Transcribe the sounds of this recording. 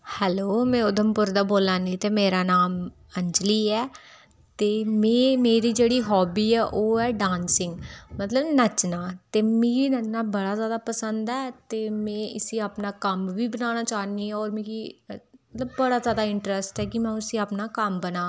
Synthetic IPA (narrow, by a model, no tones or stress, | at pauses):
hɛːloːmɛ̃ːʊd̪ʱəmpʊɾd̪aːboːlaːnĩːt̪eːmeːɾaːnaːm | əɲd͡ʒliːɛː | t̪eːmɛ̃ːmeːɾiːd͡ʒeːɽiːɦɔːbiːɛːʔoːɛːɖãːnsɪŋɡmət̪ləbnət͡ʃnaːt̪eːmĩːiːnət͡ʃnaːbəɽaːzjaːd̪aːpəsənd̪ɛːt̪eːmɛ̃ːʔɪsiːaːpnaːkəmʋiːbənaːñaːt͡ʃaːniːɛːɔːɾmĩi | t̪ləbːəɽaːzjaːd̪aːɪɳʈɾəsʈɛːkɪmɛ̃ːʊsiːaːpnaːkəmbənaː